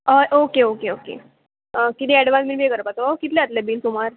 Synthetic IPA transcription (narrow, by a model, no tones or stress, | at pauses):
əʔokeokeokḛ | əkit̪ĩɛɽʋãnminbekəɾəpat̪əʋakit̪lẽat̪lebiːlsumaɾ